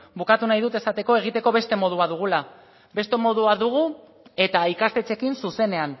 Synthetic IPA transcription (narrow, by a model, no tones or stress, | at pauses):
bukat̪unajðut̪e̞sat̪e̞ko̞e̞ɣ̞it̪e̞ko̞βe̞st̪e̞mo̞ð̞uaðuɣ̞ula | be̞st̪e̞mo̞ð̞uaðuɣ̞u | e̞t̪aikast̪e̞t͡se̞kinsuse̞ne̞an